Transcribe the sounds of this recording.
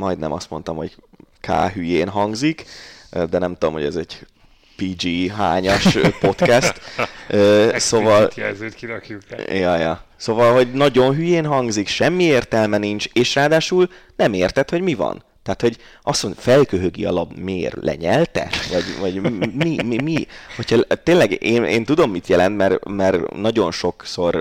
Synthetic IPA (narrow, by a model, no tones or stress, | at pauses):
mɒjd̪nɛ̰mʔɒst̪mo̞nt̪ɒmho̞ɟ | kʰa̰ːɦyjeːnɦɒŋɡzikd̪ɛnɛmt̪ud̪omho̞̰ɛzɛɟ | piːd͡ʒiːɦa̰ːɲɒʃpo̞t̪kɛst̪øːsovɒlt̪zekilɛkujɒjɒsoːvɒlɦo̞ɟnɒɟo̞nɦyjeːnɦɒŋɡzikʃɛmːieːrt̪ɛlmɛnint͡ʃeːʃraːd̪aːʃuːlnɛmeːrt̪ɛt̪ho̞ɟmivɒ̰n | t̪aːt̪ho̞ɟ | ɒsmonfɛlkøɦøɡḭɒ̰lɒbmeːrlʔɛ̰ɲɛlt̪ɛ̰vɒɟvɒɟmmimimiho̞cʰhɒt̪eːnlɛɡeːnḛːnt̪ud̪o̞mːit̪jɛlɛnt̪mɛrmɛrnɒɟo̞nʃo̞kso̞r